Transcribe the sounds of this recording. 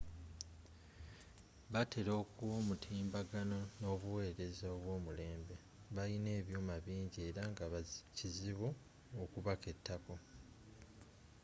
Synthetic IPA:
βatʰe̞ɾo̞ːkuoːmutʰiːmbaɡano̞no̞βuwe̞ːɾe̞zaoβwo̞ːmule̞ːmbe̞ | βaline̞ːβjuːmaβiːɲɟie̞ːɾaŋɡaβaciziβu | okuβake̞tʰːako̞

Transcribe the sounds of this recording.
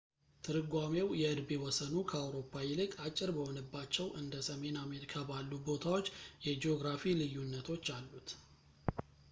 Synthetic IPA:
t̪ʰɨɾɨɡʷamewjɛɨd̪be̞wɔsənukʰəawɾo̞pʰːajɪlɨkʼat͡ʃʼːɪɾbəho̞nəbːat͡ʃːɛwʔɨnd̪əsəme̞name̞ɾikʰabalːubo̞t̪ʰawo̞t͡ʃːjɛd͡ʒeo̞ɡɾafilɨjːunːət̪ʰo̞t͡ʃːalːut̪

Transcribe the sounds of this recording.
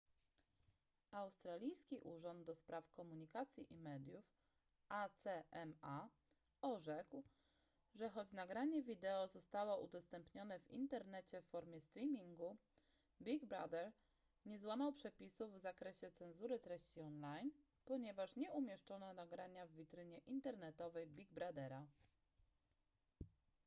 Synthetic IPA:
awst̪ɾalʲijskʲiʔuʐɔnd̪̚ːɔspɾafkɔmuɲikat̪sʲjiʔimɛd̪ʲjuf | at̪sɛɛma | ɔʐɛkw | ʐɛxɔt͡ɕnaɡɾaɲɛvʲid̪ɛɔzɔst̪awɔʔṵd̪ɔst̪ɛmpɲɔnɛvḭnt̪ɛɾnɛt͡ɕɛfːɔɾmʲjɛst̪ɾʲimʲiŋɡu | bʲiɡbɾa̰d̪ɛɾ | ɲɛzwamawpʂɛpʲisuvːzakɾɛɕɛt̪sɛnzuɾɘt̪ɾɛɕt͡ɕiɔnlajn | pɔɲɛvaʂɲɛumʲjɛʂt͡ʂɔnɔnaɡɾaɲavːʲit̪ɾɘɲɛʔint̪ɛɾnɛt̪ɔvɛjbʲiɡbɾad̪ɛɾa

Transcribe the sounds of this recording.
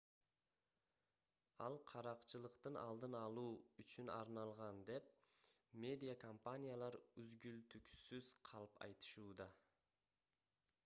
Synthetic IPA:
ɑlˠqʰɑɾɑqt͡ʃɯlˠɯqt̪ɯnʔɑ̰lˠd̪ɯnɑlˠuːyt͡ʃynɑ̰ɾnɑlˠʁɑnd̪e̞p̚mʲe̞d̪ʲijakompanʲijalˠɑɾyzɡylt̪yksyz̥qʰɑlˠɯpɑ̰jt̪ɯ̥ʃuːd̪ɑ

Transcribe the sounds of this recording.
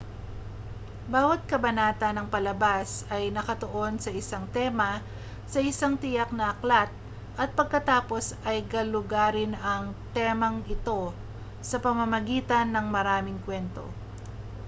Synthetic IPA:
baːwɐt̪̚kɐbɐnaːt̪ɐnɐŋpɐlɐbasɐjnɐkɐt̪oʔo̞nsɐɪsaŋt̪ɛːmɐ | sɐʔɪsaŋt̪ɪjɐk̚nɐʔɐklat̪̚ | ʔɐt̪̚pɐɡ̚kɐt̪aːpo̞sɐjɡɐlʊɡaːɾɪnɐŋt̪ɛmɐŋɪt̪o̞ | sɐpɐmɐmɐɡiːt̪ɐnːɐŋmɐɾaːmɪŋkwɛnt̪o̞̰

